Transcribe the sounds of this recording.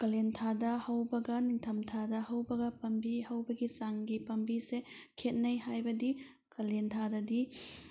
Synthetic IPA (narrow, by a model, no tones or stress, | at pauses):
kɐlentʰadɐhɐwbɐɡɐniŋtʰɐmtʰadɐhɐwbɐɡɐpɐmbihɐwbɐɡisaŋɡipɐmbisekʰet̚nɐjhajbɐdi | kɐlentʰadɐdi